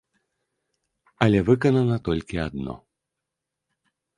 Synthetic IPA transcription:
ɐlʲɛvɨkɐnɐnɐt̪ɔlʲkʲiad̪nɔ̰

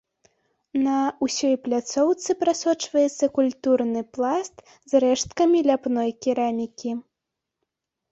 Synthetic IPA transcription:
nɐusʲɔjplʲat̪sɔwt̪sɨpɾasɔt͡ʂvɐjɛt̪sːɐkulʲt̪urnɨplˠast̪ | zrɛʂt̪̚kɐmʲilʲapnɔjkʲiɾamʲikʲi

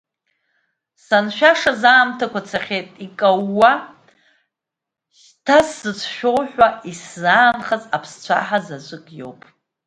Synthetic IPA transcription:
sanʃᶣaʂazaːmtʰakʷʰat͡sʰaχʲejtʼikʼawːa | ʃ | tʰasːɨt͡sʷʰʃᶣo̞wħʷᶣaiszaːnχazʼapʰst͡ɕʷʰa̰ħazazʷʼɨkʼjo̞̰wpʼ

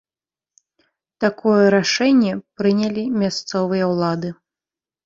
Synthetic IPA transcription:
t̪akɔjɛɾaʂɛnʲːɛpɾɨnʲɛlʲimʲast̪sɔvɨjɐwlˠad̪ɨ

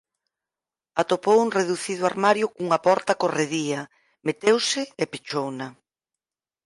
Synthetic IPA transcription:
at̪opowuŋreðuθið̞ʊaɾmaɾjʊkuŋɐpɔɾt̪ɐkoreðiɐ | met̪ewsɪːpit͡ʃownɐ

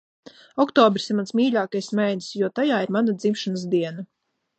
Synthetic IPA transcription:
ɔkt̪ɔːbɾisimansmiːʎʲaːkajsmajnsjuɔt̪ajaːiɾmanad̪zimʃanəs̬d̪iɛna

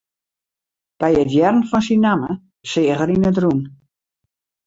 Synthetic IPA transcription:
b̥ɛjətjɛrnfɔnsinamə | sɪːəɣəɾinətrun

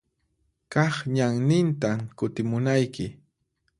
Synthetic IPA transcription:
kɑχɲaŋnɪnt̪akʊt̪ɪmʊnajkɪ

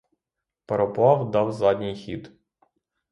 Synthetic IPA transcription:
peɾɔpɑwd̪ɑwzɑdʲnʲijxʲḭd̪

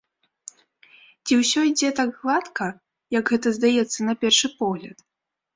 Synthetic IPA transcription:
t͡sʲiwsʲɔid͡zʲɛt̪aɡɣlˠat̪kɐ | jɐɡɣɛt̪ɐzd̪ajɛt̪sːɐnɐpʲɛrʂɨpɔɣlʲɐt̪

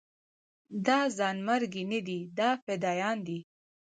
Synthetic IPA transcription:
d̪ɑzɑnmaɾɡinad̪id̪ɑfɪd̪ɑjɑnd̪i

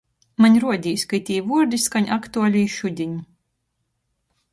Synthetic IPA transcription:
maɲʲɾuɔd̪ʲiːjsʲkajt̪ʲiːvuɔɾd̪ʲiskaɲʲʔakt̪ualʲiːʃud̪ʲiɲ

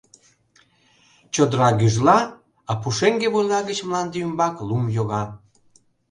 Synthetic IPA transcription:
t͡ɕod̪əɾɑɣyʒlɑ | ɑpuʃeŋɡeβojlɑɣət͡ɕmlɑnd̪ymbɑklumjoɣɑ

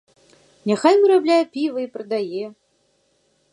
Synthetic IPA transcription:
nʲɛxajmɨɾablʲæjəpʲivəipɾəd̪aje

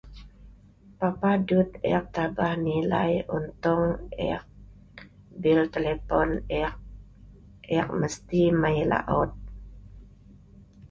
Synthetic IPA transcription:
papadut̪̚ɛ̰k̚t̪abahnila̰jṵnt̪ɔŋɛ̰k̚ | bilt̪ɛlɛpɔnɛʔ | ʔɛk̚məst̪imajla̰ʔɔt̪̚

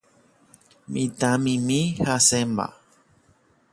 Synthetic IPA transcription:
mḭ̃t̪ãmĩmĩhasemba̰

